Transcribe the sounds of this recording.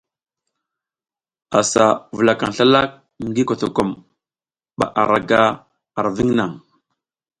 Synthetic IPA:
a˨sa˨və˨la˨ka˨ŋ˨ɬa˦la˦k̚ | ŋ˦ɡi˦ko˨to˨ko˨m | ɓa̰˨ʔa˨ɾa˨ɡa˦ | a˨ɾvi˦ŋna˨ŋ

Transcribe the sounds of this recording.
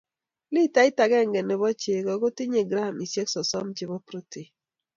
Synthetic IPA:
li˦ta˨˦ɪ˦ta˨ɡɛ˦˨ŋɡɛ˨ne˨βɔ˦t͡ʃe˨kɔ˨ɡo˦tɪ˦ɲe˨ɡɾa˦˨mi˨sje˦ksɔ˨sɔ˦mt͡ʃɪ˨bɔ˦pɾo˦ti˨

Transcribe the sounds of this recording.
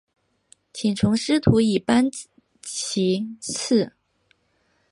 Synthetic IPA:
t͡ɕʰi˨˩ŋʈ͡ʂʰʊ˧˥ŋʂɻ̩˥t̪ʰu˧˥i˥˩pa˥n | t͡ɕʰi˧˥t͡s̩ʰ˥˩

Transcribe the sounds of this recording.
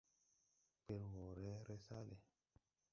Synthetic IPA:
k͡pe˨lwɔ˨ɾɛ˦ɾɛ˦sa˦le˨

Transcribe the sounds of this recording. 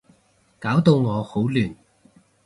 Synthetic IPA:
kaː˨˥wt̪o˧wŋɔː˨˧ho˨˥wlyː˨˩n

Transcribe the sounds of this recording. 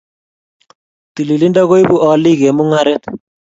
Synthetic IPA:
t̪i˨li˨li˦nda˦ɣo˦jbu˦ʔɔ˨li˦ɣe˨mu˦ŋa˦ɾe˦t̪

